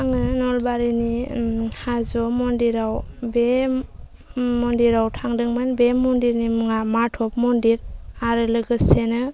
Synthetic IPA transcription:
aŋɯnɔlbaɾinihazɔmɔndiɾawbe | mɔndiɾawtʰaŋdɯŋmɯnbemɔndiɾnimuŋamatʰɔp̚mɔndiɾaɾɯlɯɡɯsenɯ

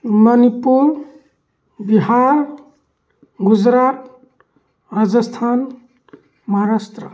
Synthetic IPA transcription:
mʌnipuɾ | biɦaɾ | ɡud͡zɾat̪̚ | ad͡zʌst̪ʰan | maɦɾast̪ɾə

